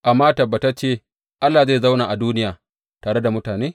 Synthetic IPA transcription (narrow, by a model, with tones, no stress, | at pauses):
ʔa˨mːaː˦tɐ˨bːa˨ta˦t͡ʃeː˦˨ | ʔa˦lːaː˨ze˦˨za˦wnaː˨ʔa˨duː˦nɪ˦jaː˨ | taː˨ɽe˦da˨mʊ˦taː˨neː˦